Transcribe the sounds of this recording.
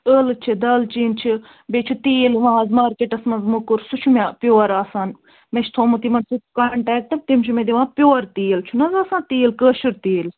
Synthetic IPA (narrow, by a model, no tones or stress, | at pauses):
əːlɨt͡ʃʰid̪ɐlt͡ʃiːnt͡ʃʰi | bet͡ʃʰut̪iːlʋãːzmaːɾkeʈɐsmɐzmukuɾsut͡ʃʰumʲapjoːɾaːsaːn | meʃʰt̪ʰoːmut̪imɐnsut̪kaːɳʈɛːk̚ʈɐb̚t̪imt͡ʃʰumed̪iʋãːpʲjoːɾt̪iːlt͡ʃʰunɐzaːsãːt̪iːlkəːʃɨɾt̪iːl